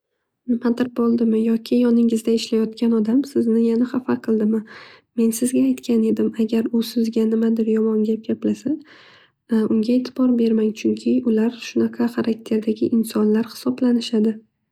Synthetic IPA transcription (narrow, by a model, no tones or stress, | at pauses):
nɪmad̪ɪɾbolˠd̪ɪmɪjɒkʲʰɪjɒnɪŋɪzd̪aɪʃlajɒt̪̚kʲanɒd̪amsɪznɪjanaχafaqʰɨlˠd̪ɪmɪ | me̞nsɪzɡʲaːjt̪kʲʰane̞d̪ɪmaɡʲaɾʊsɪzɡʲanɪmad̪ɪɾjɒmɒŋɡʲap̚ɡʲaplasa | ʊŋɡʲaet̪ʰɪbɒɾbe̞ɾmaŋt͡ʃʰʊŋkʲʰɪʊlaɾʃʊnaqʰɑχaɾʔak̚ʲt̪ʰe̞ɾd̪aɡʲɪʔɪnsɒnlaɾhɪ̥sɒblanɪʃad̪ɪ